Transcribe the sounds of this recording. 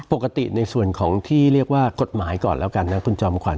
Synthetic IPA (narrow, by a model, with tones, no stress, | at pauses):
po˨˩kːa˧t̪ḭ˨˩na˧jsu˨˩ənkʰɔː˩˦ŋt̪ʰiː˥˩ɾi˥˩ək̚waː˥˩ko˨˩t̪̚maː˩˦˥jkɔ̰ː˨˩nlɛː˦˥wka˧nːa˦˥kʰu˧nt͡ɕɔː˧mkʰwa̰˨˩˦